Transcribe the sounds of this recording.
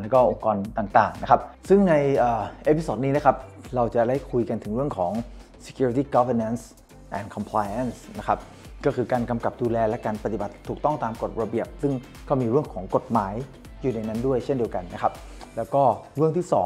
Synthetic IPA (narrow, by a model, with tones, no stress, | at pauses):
lɛː˦˥kɔː˥˩ʔo˧ŋkɔː˧nt̪aː˨˩ŋt̪aː˨˩ŋna˦˥kʰa˦˥p̚sɯ˥˩ŋna˧jʔəː˨˩ʔeː˦˥pi˧soː˨˩t̪̚niː˦˥na˦˥kʰa˦˥p̚ɾa˧wt͡ɕa˨˩da˥˩jkʰu˧jka˧nt̪ʰɯ˩˦ɾɯ˥˩əŋkʰɔː˩˦ŋ | se̥˧kʰjuː˧ɾi˦t̪iː˥˩kɔ˦wə˧na˦˥ns | ʔɛː˨˩nkʰɔ˧mpʰlaː˧jʔa˥˩nsna˦˥kʰa˦˥p̚ | kɔː˥˩kʰɯː˧kaː˧nka˧mka˨˩p̚duː˧lɛː˧lɛ˦˥kaː˧npa˧t̪i˨˩ba˨˩t̪ʰːuː˨˩k̚t̪ɔ˥˩ŋt̪aː˧mko˨˩t̪̚ɾa˧bi˨˩əp̚sɯ˥˩ŋ | kɔː˥˩miː˧ɾɯ˥˩əŋkʰɔː˩˦ŋko˨˩t̪̚maː˩˦j | juː˨˩na˧jna˦˥ndu˥˩əjt͡ɕʰe˥˩ndi˧əwka˧nːa˦˥kʰa˦˥p̚ | lɛː˦˥wkɔː˥˩ɾɯ˥˩əŋt̪ʰiː˥˩sɔː˩˦